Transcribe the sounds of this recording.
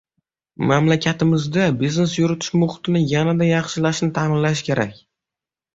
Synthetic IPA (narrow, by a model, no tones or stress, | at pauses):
mamlakʲʰat̪ʰɪmɪzd̪abizne̞s̬jʊɾɪt̪ʰɪ̥ʃmʊχʊ̥t̪ɪnɪjanad̪ajɑχʃɪlaʃnɪt̪ʰaːmɪnlaʃ̬kʲʰe̞ɾa̰kʲ